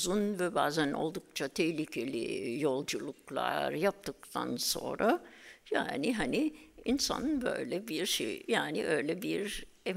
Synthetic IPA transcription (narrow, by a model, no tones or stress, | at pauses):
zunvɛbaːzænʔo̞̰lˠd̪uk̚t͡ʃʰat̪ʰehlʲicʰelʲijo̞lˠd͡ʒulˠuklˠa̰ɾjap̚t̪ʰɯk̚t̪ʰa̰nso̞̰nɾaja̰ːnɪɦaniinsa̰nbø̰jlʲɛbiɾʃḛjjaːnḭʔøjlʲɛbiɾ | ɛ